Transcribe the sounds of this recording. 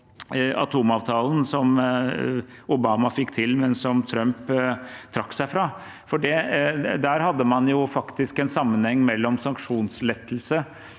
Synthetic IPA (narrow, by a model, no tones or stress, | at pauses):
ɑ̰t̪ʰuːmɑːʋt̪ʰɑːlnsɔm | ʊbɑːmɑfɪkːt̪ʰɪlmɛnsɔmt̪ʰɾœmpt̪ʰɾɑkːsæɪfɾɑː | fɔɖɛd̪æːɾhɑd̪ːəmɑnjʊfɑkt̪ɪskɛnsɑmːənhɛŋːmɛlːɔmsɑŋkʂuːnslɛt̪ːəlsə